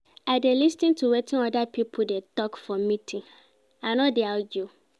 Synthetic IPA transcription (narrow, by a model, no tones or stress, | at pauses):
aɪdelistĩntʰuwetʰĩnɔdapʰipʰʊdetɔkfɔmĩtʰĩn | anɔtdealɡju